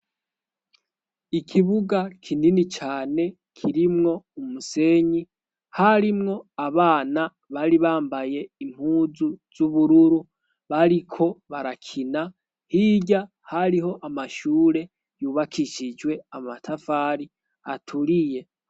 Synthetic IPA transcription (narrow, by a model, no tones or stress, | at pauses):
ikʰiβuɡakʰininit͡ʃaːne̞ | kʰiɾimŋo̞umuse̞ɲi | haɾimŋo̞aβaːna | βaɾiβaːmbaje̞im̥huːzuz̥uβuɾuɾu | βaɾikʰo̞βaɾakʰina | hiɟa | haɾiɦo̞ʔamaʃuːɾe̞ | juːβakʰiʃid͡ʒwe̞amatʰafaːɾi | a̰tʰuɾije̞